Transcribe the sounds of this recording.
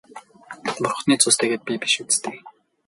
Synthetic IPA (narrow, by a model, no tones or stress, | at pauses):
pʊrχniːt͡sʊst̪ʰĕɣeːt̪̚pʲipiʃut͡st̪ʰeːk